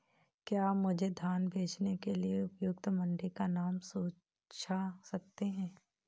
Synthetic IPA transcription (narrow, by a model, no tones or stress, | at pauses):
kjaːmʊd͡ʒʱed̪ʱaːnbʱeːt͡ʃnekelieʊpjʊk̚t̪mɐ̃ɳɖikanaːmsoː | t͡ʃʰasɐk̚t̪eɦɛ̃ː